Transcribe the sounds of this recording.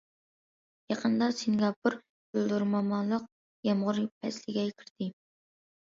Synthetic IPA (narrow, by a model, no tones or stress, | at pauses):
jɑqʰənd̪ɑsɪŋɡʲɑpʰuɾ | bøld̪uɾmɑmɑnlˠəq̚ | jɑmʁʊɾɨp̚ʰɛslɪɡʲɛkʲʰiɾd̪̥ɪ